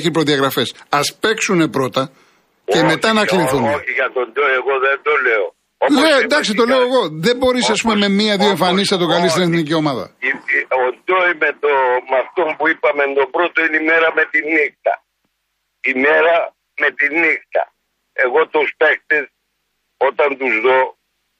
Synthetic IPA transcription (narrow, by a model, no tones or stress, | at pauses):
çipɾo̞ðiɐɣɾɐfe̞sɐspe̞ksunepɾo̞t̪ɐ | ce̞me̞ɐnɐkliθuniʝɐt̪ond̪ojeɣo̞ðend̪o̞leo | oled̪ɐksit̪o̞le̞oeɣo̞ðe̞bo̞ɾisɐspume̞me̞miɐðioeɱfɐnisnɐt̪o̞kɐlist̪ineθnicio̞mɐðɐ̰ond̪ojmet̪omɐft̪o̞mpuipɐmend̪o̞pɾo̞t̪o̞inimeɾɐme̞t̪inixt̪ɐ̰ | imeɾɐ | me̞t̪inixt̪ɐ̰ | e̞ɣo̞t̪ospe̞kt̪es | ot̪ɐnt̪uzðo̞